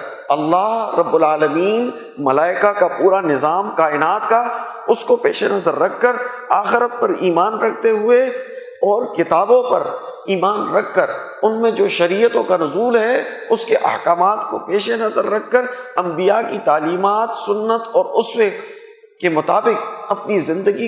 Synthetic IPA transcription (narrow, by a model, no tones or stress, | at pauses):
ɐlːaːɦɾɐbːʊlaːləmiːn | mɐlaːɪkakapuːɾanɪzaːmkaːɪnaːt̪ka | ʊskopḛːʃenɐzəɾːɐkʰːəɾaːxɪɾət̪̚pɐɾiːmaːnɾɐk̚ʰt̪eɦʊe | ɔːɾkɪt̪aːbõpɐ̰ɾiːmaːnɾɐkʰːəɾ | ʊnmẽd͡ʒoːʃɐɾiːət̪õkanʊzuːlɦɛʊskeʔɐ̰hkaːmaːt̪kopeːʃenɐzəɾːɐkʰːəɾɐ̃mbijakit̪aːliːmaːt̪sʊnːət̪ɔːɾʊswe | kemʊt̪aːbɪkɐpnizɪ̃nd̪əɡi